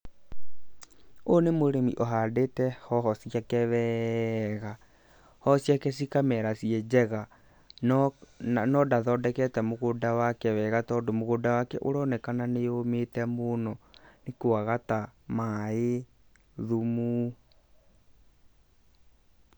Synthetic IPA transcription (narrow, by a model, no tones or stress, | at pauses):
onemoɾemiʔɔɦadetɛhɔɦɔsijakɛwɛːɣa | hɔsjakɛs̬ikamɛɾasijɛd͡ʒɛɣa | n | nɔdaðɔdɛkɛtɛmoɣodawakɛwɛːɣatɔːndomoɣodawakɛʔoɾɔnɛkananeometɛmonɔnekoaɣatamae | ðumu